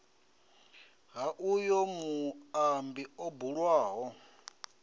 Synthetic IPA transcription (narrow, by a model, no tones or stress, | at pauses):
ɦaʔujɔmuambiɔbuɺwaːɦɔ